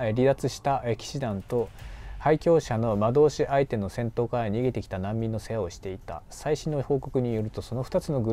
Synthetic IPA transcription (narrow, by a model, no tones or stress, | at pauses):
ɾʲid̪at͡sɨɕi̥t̪aʔekʲi̥ɕid̪ãnt̪o̞haikʲo̞ːɕano̞mad̪o̞ːɕiʔait̪e̞no̞sẽ̞nt̪o̞ːkaɾaɲ̟iiɡe̞t̪e̞kʲi̥t̪anãmʲːĩnːo̞se̞jao̞ɕi̥t̪e̞it̪a̰saiɕĩnːoho̞ːko̞kɯ̟ɲ̟ijo̞ɾɯ̟t̪o̞so̞no̞ɸɯ̟̥t̪at͡sɨno̞ɡɯ̟